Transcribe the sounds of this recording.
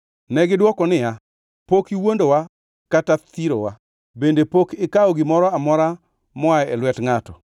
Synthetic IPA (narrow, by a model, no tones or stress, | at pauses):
nɛɡɪdwɔkɔnɪja | pokiwondowa | katat̪iɾo̰wa | bendepokɪkaɔɡɪmɔɾɔamɔɾa | mɔaɛɛlwɛtŋatɔ